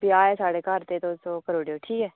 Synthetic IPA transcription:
biaːɛːsaːɽeːkaɾt̪eːt̪osokəɾoːɖjoːʈʰiːkɛː

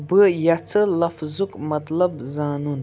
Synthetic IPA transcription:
bɨjat͡sʰɨlɐfzukmɐt̪lɐbzaːnun

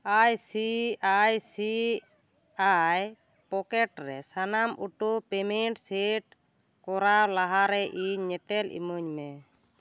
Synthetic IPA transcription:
ajsiajsi | aj | pɔkɛʈɾɛsanamʔuʈupɛmɛɳʈseʈ̚ | kɔɾawlaɦaɾɛʔiɲːɛt̪ɛlḭməɲmɛ

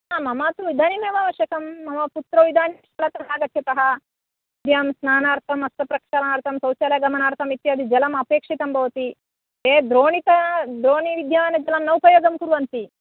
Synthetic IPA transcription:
aːmɐmaːt̪uʋid̪ʱaːnimeːʋaːʋɐʃjɐkɐmːɐmɐput̪ɾɐʋid̪ʱaːniʃɐlɐt̪ɐɦaːɡɐt̪ʰjɐt̪ɐɦɐ | id̪ʱjaːmsnaːnaːɾt̪ʰɐmɐst̪ɐpɾɐkʂɐlɐaːɾt̪ʰɐmsɐwt͡ʃɐːlɐjɐɡɐmɐnaːɾt̪ʰɐmit̪jɐːd̪id͡ʒɐlɐmɐpeːkʂit̪ɐmbʱɐʋɐt̪i | eːd̪ɾoːɳit̪ɐd̪ɾoːniʋid̪ʱjaːʋɐnɐd͡ʒɐlɐmnɐwpɐjoːɡɐmkuɾuʋɐnt̪i

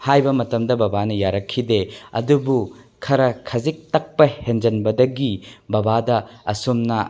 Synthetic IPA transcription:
hajbɐmɐtɐmdɐbɐbanɐjaɾɐkʰːideɐ̰dubu | kʰɐɾɐkʰɐzik̚tɐk̚pɐhend͡ʒɐnbɐdɐɡibɐbadɐɐ̰sumnɐ

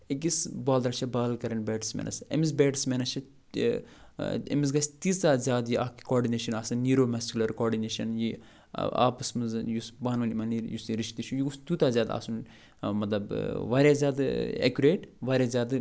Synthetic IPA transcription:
ek̬isbaːld̪ɾɐt͡ʃʰɐbaːlkɐɾɐnbɛːʈsmḛːnʔɐ̰sḛmis̬beːʈsmenɐst͡ʃʰɐ | ḛmis̬ɡɐsʲt̪ist̪aːzʲaːd̪jiʔaːki̥kɔːɾɖineːʃɐnaːsɐnːiːɾoːmɐskʲulɐɾkɔːɾɖineːʃɐnjḭ | a̰ːpɨsmɨzjusbaːnʋɐlimɐniɾjusiɾiʃt̪iʃʰujiɡust̪uːt̪aːzʲjaːd̪a̰ːsun | mɐt̪lɐbʋaːɾʲjaːzʲaːd̪ḛkʲuɾeːʈʋaːɾʲjaːzʲaːd̪

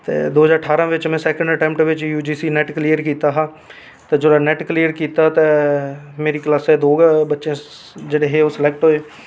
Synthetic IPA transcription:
t̪ḛːd̪oːzaːɾəʈʰaːɾãːʋɪt͡ʃmɛ̃ːsɛːkə̃ɳɖəʈɛ̃ːmpʈʋɪt͡ʃjuːd͡ʒiːsiːnɛːʈkliːjəɾkiːt̪aːɦãː | t̪eːd͡ʒod̪aːnɛːʈkliːəɾkiːt̪aːt̪eːmeːɾiːklaːsɛːd̪oːɡbətːʃẽː | d͡ʒeːɽeːɦeːoːsɪlɛːk̚ʈɦoeː

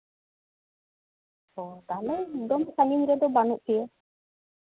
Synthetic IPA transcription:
ɔt̪alɛd̪ɔmsaɲiŋɾɛd̪ɔbanuʔkijə

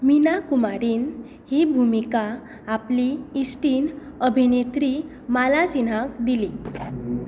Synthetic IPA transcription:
minakumaɾiːn | hibʱumikaː | pliːsʈiːn | əbʱinet̪ɾi | malasin̤ak̚d̪ili

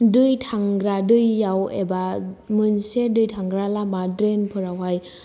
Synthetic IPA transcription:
dɯjtʰaŋɡɾadɯjːawḛbamɯnsedɯjtʰaŋɡɾalamadɾenpʰɯɾawɦaj

